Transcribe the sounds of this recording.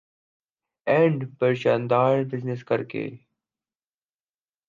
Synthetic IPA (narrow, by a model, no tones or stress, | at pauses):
ɛ̃ɳɖpəɾɕãːnd̪aːɾbɪznɪskɐɾkḛ